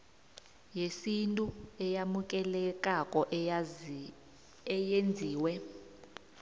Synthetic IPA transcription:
jesintʼuɛjamuk̬ʼɛlɛk̬ʼakʼɔʔ | ɛjend͡zʱiːwɛ

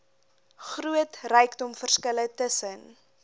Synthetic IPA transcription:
χruətrɛjkdɔmfərskələtəsən

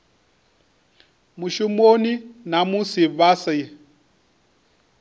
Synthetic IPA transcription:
muʃumoninamusiβasa

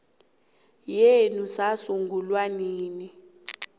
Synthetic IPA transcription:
jenusasuŋɡʱulwaniːni

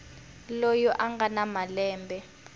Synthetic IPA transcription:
lojɔʔaŋɡanamalɛːmbʱɛ

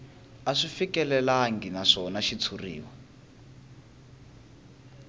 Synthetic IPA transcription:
aʂifikɛlɛlaŋɡinaʂɔnaʃit͡sʰurḭːwa

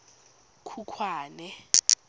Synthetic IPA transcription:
kʰukʰwaːnɛ

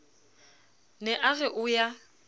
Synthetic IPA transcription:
nɛʔaɣɛʔʊja

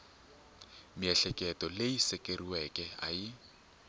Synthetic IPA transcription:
miɛɬɛkʼɛtʼɔleisɛkʼeriwɛkʼɛa̰ɪ

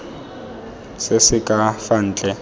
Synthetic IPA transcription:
sɪsɪkʼafan̩ːt͡ɬʼɛ

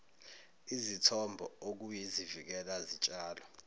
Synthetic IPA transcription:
izitʰɔmbʱɔok̬ujizivik̬ɛlazit͡ʃʼaːlɔ

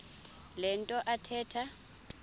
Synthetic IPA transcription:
lɛntʼɔʔatʰɛːtʰa

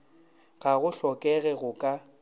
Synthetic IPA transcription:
ɣaɣʊɬɔkʼɛɣɛɣʊkʼa

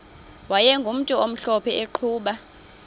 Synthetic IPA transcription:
wajɛŋɡʱum̩tʼuom̩ɬɔpʰɛeǃʰuːɓa

